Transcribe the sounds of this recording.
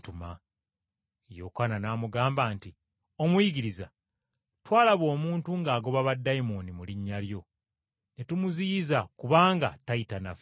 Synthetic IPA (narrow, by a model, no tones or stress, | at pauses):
tuma | jokananaːmuɡaːmbaːnti | omwiɡiɾiza | twaːlaβo̞ːmuːntuŋɡaːɡo̞βaβadːajmonimuliɲːaljo̞ | netumuziːzakuβaːŋɡa̰taitanaf